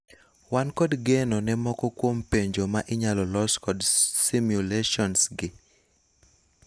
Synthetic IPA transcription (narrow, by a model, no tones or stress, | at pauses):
wankɔdɡɛnɔnɛmɔkɔkwompeɲd͡ʒomaʔɪɲalɔlɔskɔdsimjuleʃɔnsɡɪ